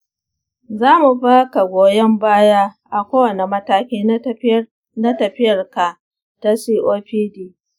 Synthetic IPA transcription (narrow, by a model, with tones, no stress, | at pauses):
zaː˦mu˨ɸaː˦ka˨ɡʷoː˨jɛ˦mbaː˦ja˦ | ʔa˨kʷoː˦wɐ˨ne˨mɐ˦taː˦kʲiː˦ | na˦tɐ˨ɸɪ˦jɐ˨rka˨ | ta˦siː˦ʔoː˦ɸiː˦diː˦